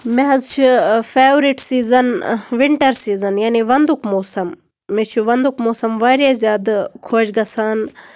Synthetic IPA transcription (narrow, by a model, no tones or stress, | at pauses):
meɦɐzt͡ʃʰipʰeːʋɾiʈsiːzɐnʋɪɳʈɐɾsiːzɐnjaːniʋɐnd̪ukmoːsɐmː | ẽt͡ʃʰuʋɐnd̪ukmoːsɐmʋaːɾjazjaːd̪kʰoːd͡ʒɡɐsaːn